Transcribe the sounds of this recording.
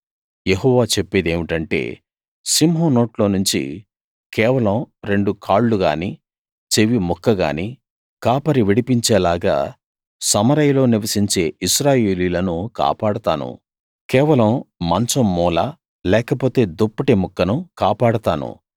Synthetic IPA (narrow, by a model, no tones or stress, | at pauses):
jeɦɔːʋaːt͡ʃe̞pːeːd̪e̞ːʋiʈɐɳʈe̞̰ː | simɦoːno̞ːʈlo̞ːnuɲt͡ʃḭ | kɛːʋɐlɐmɾe̞ɳɖukʰaːɭːuɡa̰ːni | t͡ʃeʋimukːɐɡa̰ːni | kaːpɐɾiʋiɽipiɲt͡ʃeːlaːɡa̰ː | sɐmɐɾɐjlo̞ːniʋɐsiɲt͡ʃe̞ːiʃɾaːje̞ːliːlɐnuka̰ːpaːɽɐt̪aːnṵ | kɛːʋɐlɐmːɐnt͡ʃɐmːɔːlaː | lɛːkɐpo̞ːt̪e̞ːd̪opːɐʈemukːɐnukaːpaːɽɐt̪aːnṵ